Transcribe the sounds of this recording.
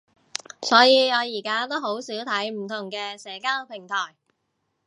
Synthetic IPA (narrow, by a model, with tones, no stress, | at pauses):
sɔː˨˥jiː˨˧ɔː˨˧jiː˨˩kaː˥t̪o˥ho˨˥wsiː˨˥wt̪ʰɐ˨˥jm̩˨˩t̪ʰʊ˨˩ŋkɛː˧sɛː˨˥kaː˥lo˨˩pʰɪ˨˩ŋt̪ʰɔː˨˩j